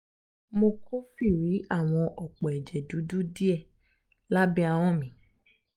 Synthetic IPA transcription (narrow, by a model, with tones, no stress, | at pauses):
mo˧ko˦fi˦˨ɾi˨˦a˦˨w̃ɔ̃˧ʔɔ˨k͡pɔ˨ɛ˨d͡ʒɛ˨du˨˦du˦di˦ɛ˧ | la˦bi˦a˧w̃ɔ̃˦˨mĩ˨˦